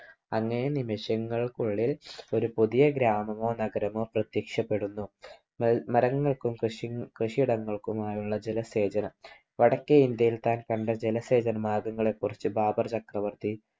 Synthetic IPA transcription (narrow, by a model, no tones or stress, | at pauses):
ɐŋːɐnenimiʂjɐŋːɐɭkuɭːilo̞ɾupuðijɐɡɾaːmɐmo̞ːnɐɡɐɾɐmo̞ːprɐt̪jɐːkʂɐpːe̞ɽunːu | mɐɾɐŋːɐɭkumʂkrɨʂiiɽɐŋːɐɭkumaːjuɭːɐd͡ʑelɐse̞ːd͡ʑɐnɐm | ʋɐɽɐkːeind̪jɐjilt̪aːnkɐɳɖɐd͡ʑelɐse̞ːd͡ʑɐnɐmaːɡɐŋːɐɭe̞kːurɐt͡ɕːɨbʱaːbɐrt͡ɕɐkrɐʋɐrt̪i